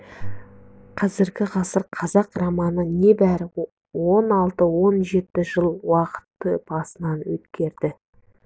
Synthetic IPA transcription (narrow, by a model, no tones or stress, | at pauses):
qʰɑzɪɾɡʲɪʁɑsəɾqʰɑzɑqrɑmɑnəne̞bæɾɪ | wo̞nɑlˠt̪əwo̞nʒe̞t̪ɪʒəlˠwɑqə̥t̪ːəb̥ɑsənɑnwɵt̪kʲʰe̞ɾd̪ɪ